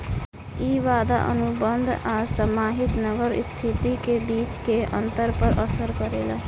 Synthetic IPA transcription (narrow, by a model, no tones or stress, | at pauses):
iʋaːd̪a̰ʔə̰nubənd̪ʱaːsəmaːɦɪt̪nəɡəɾst̪ʰit̪ikebiːt͡ʃkeʔə̰̃nt̪əɾpəɾʔəsəɾkəɾela